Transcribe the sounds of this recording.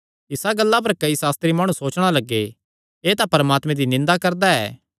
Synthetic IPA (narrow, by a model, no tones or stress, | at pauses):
ɪsaɡɐlːap̬ɐɾkɐisaːst̪ɾimaːɽ̃ũsoːt͡ʃɽ̃alɐɡːe | eːt̪apɐɾmaːt̪mẽd̪inɪ̃nd̪akɐɾd̪aɛ̰ː